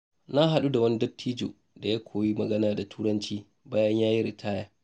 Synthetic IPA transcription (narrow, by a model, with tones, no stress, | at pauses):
na˦ɦa˨ɗu˦da˨wɐ˦ni˦dɐ˦tʰːiː˦d͡ʒo̰˨ | da˨ja˦kʷʰoː˨ji˦mɐ˨ɡɐ˦naː˨da˨tʰuː˦ɾɐ˦nt͡ʃiː˦ | baː˦jɐ˦ɲjaː˦ji˦ɾi˨tʰaː˦jaː˦